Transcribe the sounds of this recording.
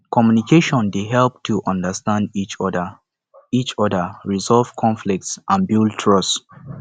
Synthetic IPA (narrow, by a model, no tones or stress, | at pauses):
kɔmjunikʰeʃɔ̃ndeɦɛlp̚tʰuʔãndəstãndit͡ʃɔdə | it͡ʃɔdəɹizɔlv̥kʰɔ̃nflik̚tsʔãnbiltʰɹɔs